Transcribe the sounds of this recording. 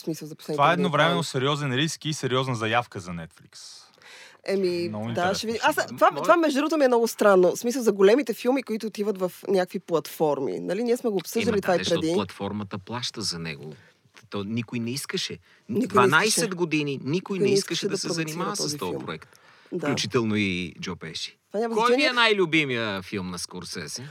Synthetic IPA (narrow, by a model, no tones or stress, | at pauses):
smisəlˠzɐpo̥sɛjvaɛd̪novɾɛmɛnosɛɾiɔzɛnɾiskisɛɾiɔznəzɐjafkəzɐnɛt̪fliks | ɛmind̪aʃɛvid̪imast̪ovat̪ovamɛʒdod̪ɾuɡot̪omiɛmnɔɡʊst̪ɾanːosmisəlˠzɐɡolɛmit̪ɛfilˠmikoit̪ʊːt̪ivət̪vɐfnʲjakviplˠɐt̪fɔɾmḭnɐliniɛsmɛɡopsɤd̪əllit̪vaipɾɛilˠɐt̪fɔɾmət̪əplˠaʃt̪əzɐnɛ̰ɡo | t̪ɔnikʊjnɛiskəʃɛ | nikd̪ʊvɐnajʃsɛd̪ɡod̪ininikoj̪ɛnɛiiskəʃɛɛd̪ɐsɛɾzɐnimat̪ɔɐsit̪ɔjilmpɾo̰ɛ̰kt̪ | dfaklʲut͡ʃit̪ɛlˠnoid͡ʒopɛʃi̥t̪ovanʲamɐzɔt͡ʃɛ̃nɛɛnajlʲʊbimijəfilˠmnɐskɔɾsɛ̰zɛ